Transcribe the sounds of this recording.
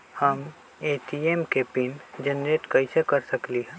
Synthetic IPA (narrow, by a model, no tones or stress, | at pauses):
həm | eːʈiemkepɪnd͡ʒɐnɾeːʈkɐɪsekɐɾsɐkliɦɛ̃